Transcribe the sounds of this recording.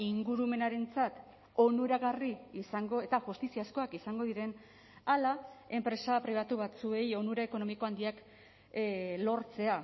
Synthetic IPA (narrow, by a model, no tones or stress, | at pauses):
iŋɡuɾume̞naɾe̞nt͡sat̪ | o̞nuɾaɣariːsaŋɡo̞e̞t̪aʝust̪isiasko̞akisaŋɡo̞ðiɾe̞n | alae̞mpɾe̞sapɾiβ̞at̪uβ̞at͡sue̞jo̞nuɾaeko̞no̞miko̞and̪iak | lo̞ɾt͡se̞a